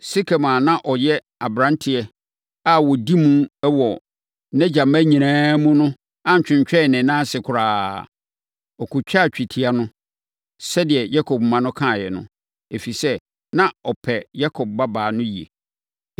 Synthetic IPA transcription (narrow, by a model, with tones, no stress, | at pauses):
sɪ˦kʰe˨mã˨nã˦ʔɔ˨jɛ˦ | a˨bɾã˦ntʰɪ˨ɛ˦ | a˦wɔ˨di˦mũ˦ɛ˦wɔ˨ | nɛ̃˦d͡ʑa˨mæ˦ɲĩ˨nãː˦mũ˦nʊ̃˦ | a˦ɲ˨t͡ɕᶣɪ̃˨ɲt͡ɕᶣɛ˦˨nɪ̃˨˦nãː˦sɪ˨kʰʊ˨ɾaː˨ | ɔ˨kʰʊ˨t͡ɕᶣa˦˨t͡ɕᶣi˨tʰi˦a˦nʊ̃˦ | sɛ˦dɪ˨ɛ˨ja˦kʰɔ˨b̚mã˦nʊ̃˦kʰã˦˨jɛ˨nʊ̰̃˨ | e˨fi˨sɛ˦ | nã˦ɔ˨pʰɛ˨ja˦kʰɔ˨b̚ba˦baː˨nʊ̃˦ji˨ḛ˨